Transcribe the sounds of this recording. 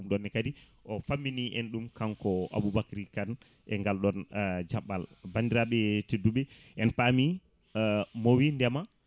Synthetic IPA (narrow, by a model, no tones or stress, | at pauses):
umɗɔnːɛkadi | ʔɔfamːiniʔɛnɗumkaŋkɔa̰bubakɾikan | ʔɛŋɡalɗɔnd͡ʒaɓːalbandiɾaɓɛtedːuɓɛ | ʔɛnpami | mowindɛma